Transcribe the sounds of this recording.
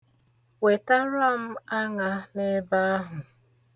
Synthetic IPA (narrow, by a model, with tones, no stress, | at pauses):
we˨ta˦ɾa˦˨m̩˦a˦ŋa˨ne˦ba˦a˦ɦʊ˨